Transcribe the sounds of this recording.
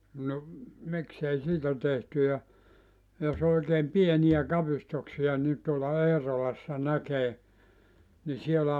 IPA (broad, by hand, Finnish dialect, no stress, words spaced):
no miksei siːtæ tehty jɑ jos oikeːm pienij̆æ kɑpistuksij̆ɑ ni tuolɑ eːrolɑsːɑ nækeː ni sielæ